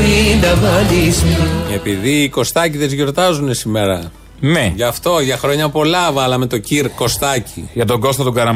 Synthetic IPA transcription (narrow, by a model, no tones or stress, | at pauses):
ind̪ɐvɐlise̞piðiːko̞st̪ɐciðe̞zʝoɾt̪ɐzune̞simeɾɐ | meʝɐft̪o̞ʝɐxɾo̞ɲɐpo̞lɐvɐlɐme̞t̪o̞ciɾko̞st̪ɐciʝɐt̪o̞ɡo̞st̪ɐt̪uɡɐɾɐ